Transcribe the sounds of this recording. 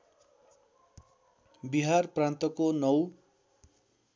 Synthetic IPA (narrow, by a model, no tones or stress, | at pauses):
biɦarprãnt̪ʌkonʌw